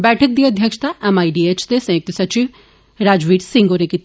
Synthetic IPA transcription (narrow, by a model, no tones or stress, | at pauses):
bɛːʈʰək̚d̪iːɐd̪ʱjɐkʃt̪aʔɛmaːiɖiːet͡ʃʰt̪esẽːk̚t̪usɐt͡ʃiʋ | ɾaːd͡ʒʋiːɖsɪ̃ŋɡoːɾekit̪